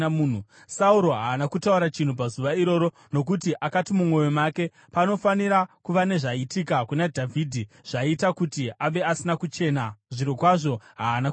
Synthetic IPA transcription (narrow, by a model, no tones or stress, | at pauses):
muːn̤u | sauɾo̞ɦaːnakutauɾat͡ʃin̤up̬azuʋaiɾo̞ɾo̞ | no̞kutiʔakatimumwo̞jo̞make̞ | pano̞faniɾakuʋane̞ʐaitikakunadʱavʱiːdʱi | ʐ̥aitakutiʔaʋe̞asinakut͡ʃe̞ːnaʐiɾokwaʐo̞ɦaːna